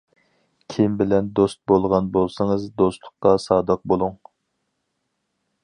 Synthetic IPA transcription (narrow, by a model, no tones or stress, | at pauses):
kʲʰimbɪlɛnd̪ost̪̚bolˠʁɑnbolˠsɨŋɨzd̪ost̪lˠʊqqːɑsɑːd̪ɑq̚bolˠuŋ